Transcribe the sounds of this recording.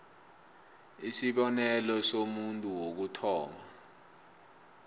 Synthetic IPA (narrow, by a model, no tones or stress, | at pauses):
isiɓɔnɛlɔsomuntʼuwok̬utʰɔːma